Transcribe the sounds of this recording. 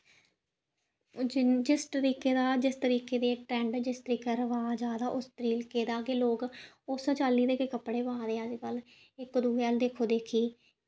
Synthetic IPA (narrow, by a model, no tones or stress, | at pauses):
d͡ʒɪst̪əɾiːkeːd̪aːd͡ʒɪst̪əɾiːkeːd̪eːʈɾɛ̃ːɳɖd͡ʒɪst̪əɾiːkeɾəʋaːd͡ʒaːd̪aːʔʊst̪ɾiːlkeːd̪aːɡeːloːɡ | ʊst͡ʃaːliːd̪eːkeːkəpɽeːbãːd̪eːad͡ʒkəl | ɪkd̪uːeald̪eːkʰoːd̪eːkʰiː